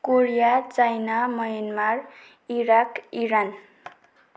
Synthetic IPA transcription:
koɾijat͡sajnamʌjʌnmar | iɾakiɾan

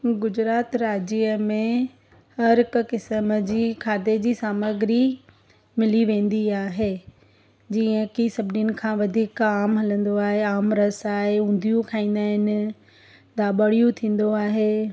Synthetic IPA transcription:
ɡʊd͡ʑɾaːt̪ɾaːd͡ʑiːəmẽ | hɐɾɪkʊ̆kɪsəməd͡ʑiːkʰaːt̪ed͡ʑiːsaːməɡɪɾi | mɪliʋẽːn̆d̪iaːɦe | d͡ʑiːə̃kisɐbʱɪninɪ̆kʰãːʋɐd̪ʱiːkaːmɦɐlə̃nd̪oaːɦeaːmɾɐsaːɦeũːnd̪ʱijũkʰaːĩːn̆d̪aːɦɪnɪ̆ | d̪aːɓəɽijũt̪ʰĩːn̆d̪oaːɦeː

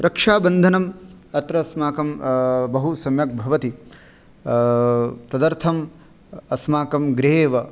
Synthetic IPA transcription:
ɾʔɐkʂaːbɐnd̪ʱɐnɐm | ɐt̪ɾɐsmaːkɐmbɐɦusɐmjɐk̚bʱɐʋɐt̪i | t̪ɐd̪ɐɾt̪ʰɐm | ɐsmaːkɐmɡɾeːʋɐ

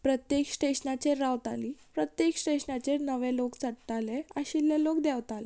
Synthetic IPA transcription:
pɾət̪jeksʈeɕnat͡ɕeɾːaʋt̪aliːpɾət̪jeksʈeɕnat͡ɕenəʋelokt͡səɽt̪aleəɕilːelokd̪aʋt̪ale

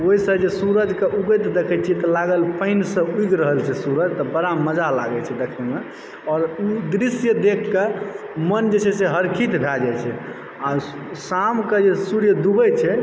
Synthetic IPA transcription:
oisəd͡ʒesuɾəd͡ʒkeʔuɡət̪d̪ekʰɛt͡ʃʰiɛt̪ɔlaɡəlpəɪnsə̃uiɡɾəɦəlt͡ʃʰɛsuɾəd͡ʒt̪ɔbəɽaməd͡ʒala̰ɡɛt͡ʃʰɛd̪ekʰeme | ɔɾud̪ɾisjəd̪ekʰːe | mənd͡ʒesʰɛseɦəɾkʰit̪bʱɛd͡ʒajt͡ʃʰɛ | a | samked͡ʒesuɾjəd̪ubəjt͡ʃʰɛ

